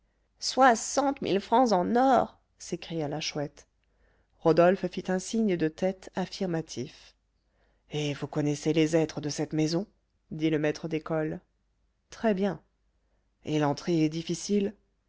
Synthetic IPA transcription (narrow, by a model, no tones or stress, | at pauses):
swasɑ̃t̪mḭlfχɑ̃zɑ̃nɔʁ | sekχijalaʃwɛt̪ | ʁɔd̪ɔlffit̪ɛ̃siɲəd̪ət̪ɛt̪afiʁmat̪ʰif | evukɔnɛselezɛt̪χəd̪əsɛt̪mezɔ̃ | d̪iləmɛt̪χəd̪ekɔl | t̪χɛbjɛ̃ | elɑ̃t̪χeɛd̪ifisil